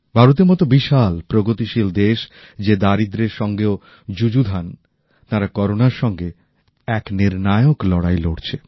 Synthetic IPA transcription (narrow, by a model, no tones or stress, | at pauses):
bʱaɾot̪̬eɾmɔt̪obiʃalpɾoɡot̪iʃild̪eʃ | d͡ʑed̪aɾid̪ɾeɾʃɔŋɡeo | d͡ʑud͡ʑud̪ʱan | t̪aɾakɔɾonaɾʃɔŋɡe | ɛkniɾnaeoklɔɽajloɽt͡ɕʰe